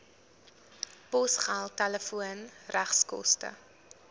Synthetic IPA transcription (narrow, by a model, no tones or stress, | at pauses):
pɔsχaːlˠtɛləfuənræχskɔ̰stə̰